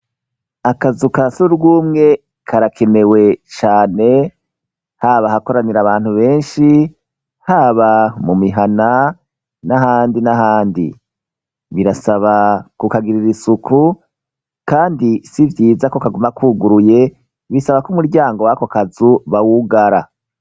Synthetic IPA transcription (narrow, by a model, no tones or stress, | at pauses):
akazukasuɾɡuːmŋe̞ | kʰaɾakʰe̞ne̞we̞t͡ʃaːne̞ | haːβahako̞ɾaniɾaβaːn̥huβe̞ːnʃi | haːβamumiɦana | naɦaːndinaɦaːndḭ | βiɾasaβakukaɡiɾiɾisukʰu | kaːndisivjiːzakokaɡumakʰuːɡuɾuje̞ | βisaβakumuɾɟaːŋɡo̞wakokazuβawuɡaɾa